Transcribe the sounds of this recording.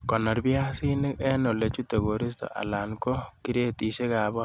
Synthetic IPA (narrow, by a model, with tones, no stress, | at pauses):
kɔ˨nɔ˨ɾbja˦si˦nɪ˦kɛ˦no˨le˨t͡ʃu˦t̪ɛ˨ɣo˨ɾi˦st̪ɔ̰˨ʔa̰˨la˨nkɔ˦ki˦ɾe˦t̪i˨ʃe˦ka˨bɔ˦